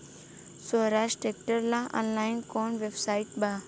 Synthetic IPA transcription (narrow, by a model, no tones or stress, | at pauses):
sɔɾaʃʈek̚ʈəɾlãɔ̰̃nlajnkɔnʋebsaiʈ̚ba